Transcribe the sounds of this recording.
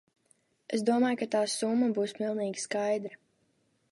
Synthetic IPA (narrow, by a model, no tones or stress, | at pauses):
es̬d̪uɔmaːjkat̪aːsumːabuːsmilˠniːɡʲi̥skajd̪ɾa